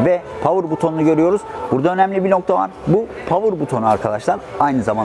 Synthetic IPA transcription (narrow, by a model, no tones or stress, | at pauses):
vɛpʰavɯɾbut̪ʰo̞nunuɟø̞ɾyjo̞ɾuz̥buɾd̪aø̞nɛmlʲibino̞k̚t̪ʰava̰ɾbupʰavɯɾbut̪ʰo̞nuaɾkʰad̪aʃlˠaɾajnɯzaman